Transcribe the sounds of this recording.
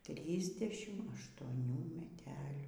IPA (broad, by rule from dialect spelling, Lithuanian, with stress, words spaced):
ˈtʲrʲiːzʲˌdʲæːʃʲɪm ɐʃtuɔˈnʲuː mʲɛˈtʲæːlʲuː